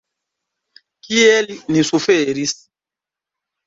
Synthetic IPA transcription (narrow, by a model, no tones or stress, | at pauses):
kiɛlinisufeɾis